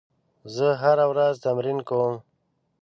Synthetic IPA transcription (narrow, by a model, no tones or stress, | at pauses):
zəɦaɾawɾazt̪amɾinkom